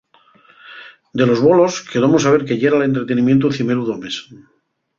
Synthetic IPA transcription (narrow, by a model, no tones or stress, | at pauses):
d̪e̞lozβo̞lo̞skeðomosaβ̞e̞ɾkeʎeɾale̞nt̪ɾet̪enimje̞nt̪uθimeɾuðomes